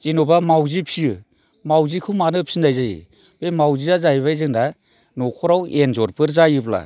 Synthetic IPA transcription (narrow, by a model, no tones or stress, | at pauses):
zinɔbamawzipʰijɯ | mawzikʰɯmanɯpʰsindajzajḭ | b̥emawziazajβajzɯŋda | nɔkʰɔɾawenzɔɾpɯɾzajɯpla̰